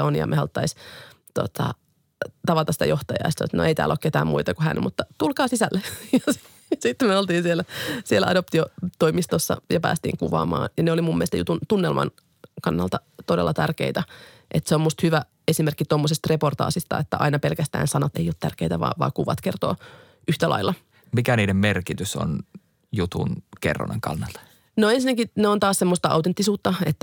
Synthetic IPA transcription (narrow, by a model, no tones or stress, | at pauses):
onjɑ̰mʔehɑlt̪ːɑist̪ot̪ʰɑ̰ | t̪ɑʋɑt̪ɑsi̥t̪æjoht̪ɑjɑ̰ist̪ɑo̰t̪no̰eit̪æ̰ːloːket̪æ̰ːmmuit̪ɑkuhæ̰nmut̪ːɑt̪ulkɑːsisælːejɑs | sit̪ːmyøolt̪iːnsielæsielæʔɑdop̚t̪iot̪oimist̪osːɑ̰jɑpæ̰ːst̪ḭːŋkuʋɑ̰ːmɑ̰ːnjɑneolimumːielst̪jṵt̪unt̪unːelmɑ̰n | kɑnːɑlt̪ɑt̪odelːɑt̪ærkeit̪æ | ʔet̪seommust̪hyʋæ | esimerkːit̪omːosest̪report̪ɑ̰ːsist̪ɑ̰et̪ːæʔɑ̰inɑpelkæst̪æ̰ːnsɑnɑt̪ḛjot̪t̪ærkeit̪æʋɑ̰ːʋɑ̰ːkuʋɑ̰t̪kert̪oː | ʔyht̪ælʔɑ̰ilːɑ | mikæniːdemmerkit̪yso̰n | jut̪ṵnkḛrːo̰nḛŋkɑ̰nːɑlt̪ɑ | noensinːækineont̪ɑːssemːost̪ɑʔɑ̰wt̪ent̪ːisuːt̪ːɑet̪ːæ